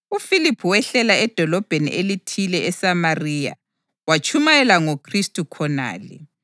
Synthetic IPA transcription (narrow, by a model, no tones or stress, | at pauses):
ufilipʰuwɛɬɛlaɛd̥ʱɔlɔb̥ʱenḭʔelitʰilɛʔɛsamariːja̰ | wat͡ʃʰʼumajɛlaŋokʰristʼukʰɔna̰ːlḭ